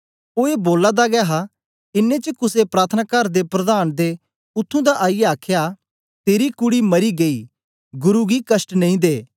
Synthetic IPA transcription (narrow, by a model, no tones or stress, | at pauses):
oːeboːlad̪aɡɛːɦa | ɪnːẽt͡ʃəkʊsepɾaːt̪ʰənakɐɾd̪epɾɐd̪aːnd̪e | ʊt̪ʰːũd̪aʔaːijaaːkʰja | t̪eːɾikʊɽimɐɾiɡɐi | ɡʊɾuɡikɐsʈnɐ̃ĩd̪eː